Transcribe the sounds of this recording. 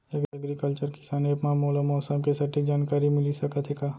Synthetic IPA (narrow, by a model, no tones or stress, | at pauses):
ɐɡɐɡɾikəlt͡ʃəɾkɪ̥saːneɐpnamoːlamɔːsəmkesɐʈik̚d͡ʒaːnkaːɾimɪlisɐkət̪ʰekaː